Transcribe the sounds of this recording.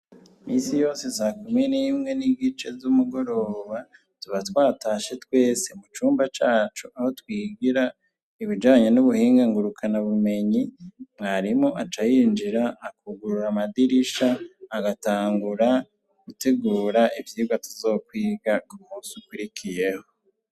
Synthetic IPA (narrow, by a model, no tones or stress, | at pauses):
misijo̞ːsesaːkuminimŋe̞niɡit͡ʃe̞zumuɡo̞ɾo̞ːβa | tuβatwaːtaʃe̞twe̞ːse̞mut͡ʃuːmbat͡ʃaːt͡ʃuʔaho̞twiːɡiɾa | iβid͡ʒaːɲe̞nuβuhiːŋɡaŋɡuɾukʰanaβume̞ɲimŋaːɾimoʔat͡ʃajiːnd͡ʒiɾaːkuɡuɾuɾamadiɾiʃaːɡataːŋɡuɾa | ɡ̥ute̞ɡuːɾaʔivjiuɡatuzo̞ːkwiːɡakumuːsikwuɾikʰije̞ho̞